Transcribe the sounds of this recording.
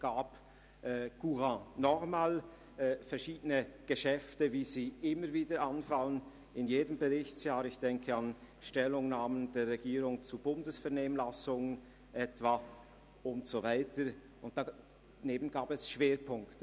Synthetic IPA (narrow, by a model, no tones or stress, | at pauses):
ɡ̥aːp | ʔɛːɡ̥uʁɑ̃ːnɔχmaːlː | fɛɐʃiːdənəɡ̥əʃɛftəviːziːʔɪməɾviːdəɾʔanfalən | ɪnjeːdəmbəʁɪçt͡sjaːɾɪçd̥ɛŋkʰəɑn | ʃtɛlʊŋnaːmənd̥eːʁɛɡiːʁʊŋt͡subʊndəsfɛɐʁneːmənlasʊŋən | ʔɛtv̥a | ʊntz̥ovaɪtə | ʔʊnt̚d̥a | neːbən̩ɡaːbɛsʃv̥eːɾpʰʊŋktə